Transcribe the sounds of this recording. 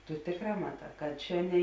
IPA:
tʊ ˈtʲeːkˌrɑː mɐˈtɑː kɐt ˈt͡ʃʲɛ nʲɛ

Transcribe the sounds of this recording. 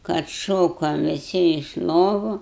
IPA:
kɐt ˈʃoːkoːm ʋʲɪˈsʲɪ ɪʃ ˈlˠoːʋʊ

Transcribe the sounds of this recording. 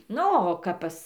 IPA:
ˈnʊ oː ˈkɐp pɐs

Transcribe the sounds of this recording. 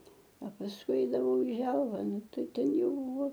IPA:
ɐ pɐsˈkʊɪ ˈɛɪdɐʋɐʊ ɪ ˈʒʲɛlˠʋɐ ˈnʊ ˈtɐɪ ˈtʲɛn ˈjɛʊ

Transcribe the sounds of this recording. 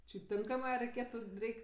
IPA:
t͡ʃʲɪ ˈtʲɪŋkɐmɜ ɐ rʲɛɪˈkʲeːtʊ ˈrʲɛɪkʲ

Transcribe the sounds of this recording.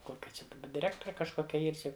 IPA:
ˈkoːkʲɛ t͡ʃʲɛ dɐˈbɐ dʲɪˈrʲæːktoːrʲɛ kɐʃˈkoːkʲɛ ˈiːr ˈt͡ʃʲɪ

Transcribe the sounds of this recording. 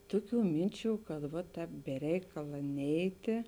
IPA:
ˈtʊˌkʲuː ˈmʲɪnʲˌt͡ʃʲuː kɐt ˈʋɐ ˈtʲɛːp bʲɛ ˈrʲɛɪkɐlˠɐ ˈnʲɛɪtʲeː

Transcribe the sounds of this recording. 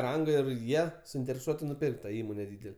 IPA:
ˈrɐŋɡɐ ɪr ˈjiɛ sʊɪnʲtʲɛrʲɛˈsuɔtʲɪ nʊˈpʲɪrkt tɐ ˈiːmoːnʲɛ ˈdʲiːdʲɛlʲɛ

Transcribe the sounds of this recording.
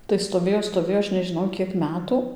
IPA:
tɐɪ stoːˈʋʲeːjoː stoːˈʋʲeːjoː ˈɐʃ nʲɛʒʲɪˈnɐʊ ˈkʲiɛk ˈmʲæːtʊ

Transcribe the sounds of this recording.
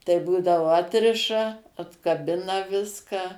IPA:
tɐɪ ˈbuːdɐʋoː ˈɑːtʲrʲɪʃɐ ɐtkɐˈbʲɪnɐ ˈʋʲɪskɑː

